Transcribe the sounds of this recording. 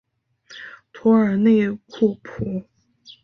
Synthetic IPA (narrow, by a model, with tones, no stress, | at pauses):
t̪ʰɔ˧˥ə˞˨˩ne˥˧ɪkʰu˥˩pʰu˨˧˩